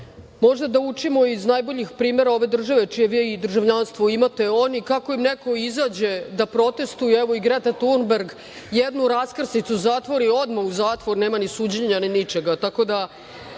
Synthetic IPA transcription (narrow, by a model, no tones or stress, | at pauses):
mo̞ʒd̪ad̪aut͡ʂimoiznajbo̞ʎixpɾiːme̞ɾao̞ʋe̞d̪r̩ʒaʋe̞t͡ʃijeʋijeid̪r̩ʒaʋʎanst̪ʋoimat̪e̞o̞nikako̞imneko̞izaːd͡ʑed̪apɾo̞t̪e̞st̪ujeɛʋoiɡɾet̪at̪unbeɾɡ | jed̪nuɾaskr̩snit̪suzaːt̪ʋo̞ɾio̞d̪mauzaːt̪ʋo̞ɾneːmanisuːd͡ʑeɲaninit͡ʃe̞ɡat̪ako̞d̪a